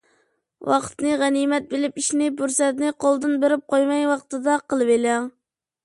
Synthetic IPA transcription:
wʔɑqʰt̪nɨʁænimɛt̪̚belɪpiʃnɪbuɾsɛt̪nɪqʰolˠd̪ɨnbeɾɪp̚qʰojmɛjwɑqt̪ɨd̪ɑqəlˠɨvelæŋ

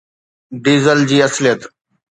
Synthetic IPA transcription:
ɖiːzəld͡ʑiːɐslijət̪

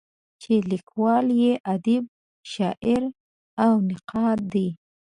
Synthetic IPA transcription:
t͡ʃelikwɑljeʔad̪ib̚ | ʃɑʔɪɾ | awnɪqʰɑt̪̚d̪i

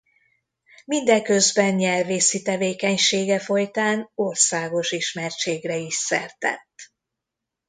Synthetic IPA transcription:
mind̪ɛŋkø̞zbɛnɲɛlveːsit̪ɛveːkɛɲʃeːɡɛfo̞jt̪aːno̞rsaːɡo̞ʃiʃmɛrt͡ʃeːɡrɛiʃsɛ̰rt̪ɛ̰t̪ː

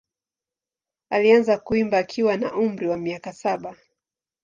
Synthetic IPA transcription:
alianzakuimbaːkʰiwanaʔum̩ɾiwamiakasaɓa

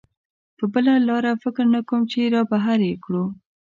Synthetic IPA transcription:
pəbəlalɑɾafɪkɾnakomt͡ʃeɾɑbaɦaɾjekɽu

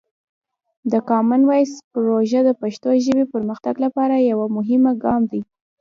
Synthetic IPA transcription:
d̪əkɑmanwajspɾoʒad̪əpaʃt̪oʒəbepəɾməxt̪aɡlapɑɾajawamʊɦɪmaɡɑmd̪i

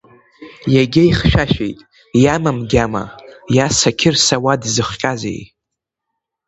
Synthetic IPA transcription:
jaɡʲɪjχʃᶣaʃᶣḛjtʼ | jamamɡʲama̰jasakʲʰɪrsawadzɨχqʲʼazḛj

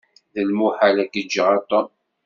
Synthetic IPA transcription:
ðəlmuħalækːəd͡ʒːəʁat̪ˤːɔm

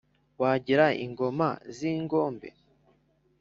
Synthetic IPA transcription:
waːɟiɾaḭŋɡo̞maziːŋɡo̞ːmbe̞̰

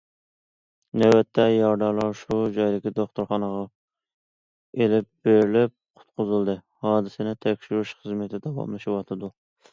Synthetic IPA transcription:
næwɛt̪ʰːɛjɑɾd̪ɑɾlˠɑɾʃud͡ʒɑjlɪkʲid̪oχt̪ʊɾχɑnəʁɑ | elɪp̚b̥eɾɪlɪp̚qʰʊ̥t̪̚qʰʊzɨlˠd̪ɨ | hɑːd̪ɪsɪnɪt̪ʰɛkʲʃiɾuʃχəzmɪt̪ʰɪd̪ɑwɑ̰mlˠɨʃɪwɑt̪ʰɨd̪u

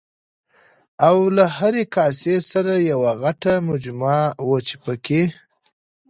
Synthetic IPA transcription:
awlahaɾekɑsesaɾajawaɣaʈamʊd͡ʒmɑwət͡ʃe̥pəke

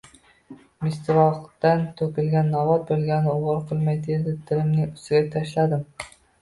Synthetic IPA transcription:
mɪst̪vɒqt̪ant̪ʰɵkʲɪlɡʲanːɒvɒt̪̚bolˠɡʲanɪʊwɑɾqʰɨlˠmajd̪ed̪ɪt̪ʰɪlɪmnɪŋʊ̥st̪ɪɡʲat̪ʰaʃlad̪ɪm

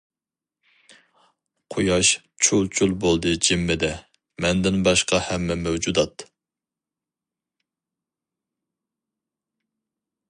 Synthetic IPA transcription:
qʰojɑʃ | t͡ʃʰulˠt͡ʃʰulˠbolˠd̪ɨd͡ʒimːɪd̪ɛ | mɛnd̪ɪnbɑʃqɑhɛmːɛmɛwd͡ʒud̪ɑt̪

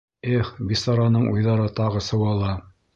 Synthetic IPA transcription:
eχbist̪ɑɾɑnɤɴʔṵjðɑɾɤt̪ɑʁɤsɤ̆wɑlˠɑ

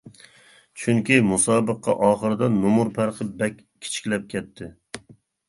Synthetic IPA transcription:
t͡ʃʰʊŋkʲimʊsɑːbɨqʰːɑ̰ʔɒːχɨɾɨd̪ɛnomʊɾpʰæɾqʰɨp̚bɛkʲ | kʲʰːɪ̥t͡ʃʰɪ̥kʲlɛp̚kʲʰɛt̪ʰːɪ

